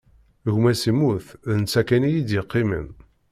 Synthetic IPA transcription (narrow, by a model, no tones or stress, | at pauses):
ʝmæsimuθðənt͡sːækænijid̪jəqːimə̰n